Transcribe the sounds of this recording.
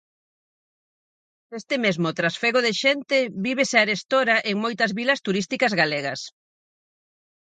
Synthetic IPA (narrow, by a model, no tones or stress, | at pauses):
est̪ɪmezmʊt̪ɾasfeɣoðɪʃent̪ɪβiβ̞esaɾest̪oɾɐʔeŋmojt̪ɐzβilɐst̪uɾist̪ikɐzɣaleɣɐs